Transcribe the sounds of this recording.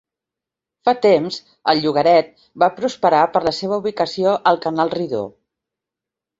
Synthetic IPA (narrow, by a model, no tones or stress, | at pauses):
fat̪emz | əlˠʎuɣ̞əɾɛt̪̚ | bapɾuspəɾapəɾləseβ̞əuβ̞ikəsioʔəlˠkənalˠriðo̰